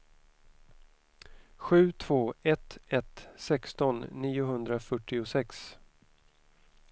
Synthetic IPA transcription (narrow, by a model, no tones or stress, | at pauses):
ɧʉ̟ːt̪ʰv̥oːɛt̪ɛt̪sɛkst̪ɔnːiːʊɦɵnd̪ɾafœʈːɪʊsɛks